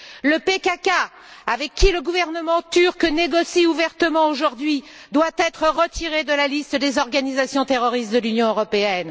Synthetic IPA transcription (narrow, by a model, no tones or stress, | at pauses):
ləpekaka | avɛkʲːiləɡuvɛʁnəmɑ̃t̪yʁkneɡɔsiuvɛʁt̪əmɑ̃oʒuʁd̪ɥid̪wat̪ɛt̪χəʁət̪ʰiʁed̪əlalist̪d̪ezɔʁɡanizasjɔ̃t̪eʁɔʁist̪̚d̪əlynjɔ̃øʁɔpeɛn